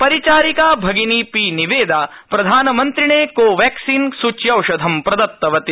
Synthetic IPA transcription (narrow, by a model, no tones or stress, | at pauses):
pɐɾit͡ʃaːɾikaːbʱɐɡiniːpiːniʋeːd̪aː | pɾɐd̪ʱaːnɐmɐnt̪ɾiɳeːkoːʋɛːksiːnsut͡ʃjɐwʃɐd̪ʱɐmpɾɐd̪ɐt̪ːɐʋɐt̪i